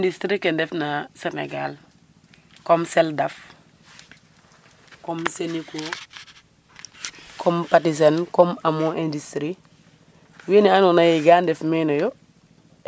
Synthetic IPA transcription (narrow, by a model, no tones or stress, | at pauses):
ndistɾikendɛfnasenḛɡal | kɔmsɛldaf | kɔmseniko | kʰɔmpatis̬enkɔmamoʔendistɾi | winianonajiɡaːndɛfmɛnɔjɔ